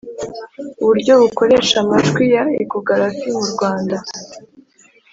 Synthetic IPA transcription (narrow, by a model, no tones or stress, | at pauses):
uβuɾɟo̞βuko̞ɾe̞ʃamaʒɡwijaekoɡaɾafimuɾɡwaːnda